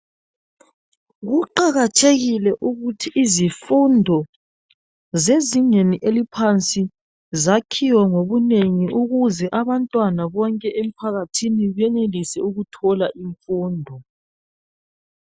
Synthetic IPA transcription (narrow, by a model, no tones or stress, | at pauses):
ɣuǃaɣat͡ʃʰʼeɣilɛʔuɣutʰiʔːzifundʱɔ | zeziɲeniʔelipʰant͡sʼi | zakʰiwɔŋoβuneŋiʔuɣuzɛʔaβantʼwanaβɔŋkʼɛʔem̩pʰaɣatʰiniβɛnelisɛ̰uɣutʰɔlaʔiɱfuːndʱɔ